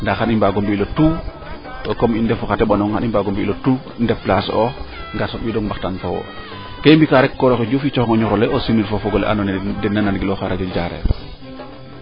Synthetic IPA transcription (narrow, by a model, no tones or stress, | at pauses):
ndaxanimbaɡombilotu | ɔkɔmindɛfɔxatɛɓanɔŋxa̰nimbaɡombiilotu | ndɛflasɔ | ŋɡasɔbidɔŋmbaxtanfowo̰ | kembikaɾɛkːɔɾɔxeɟufit͡ʃɔxŋɔɲɔɾɔleosinilfofɔɡɔlɛ̰ʔa̰nɔndɛnːananɡilɔxaɾad͡ʒɔɟaɾɛ̰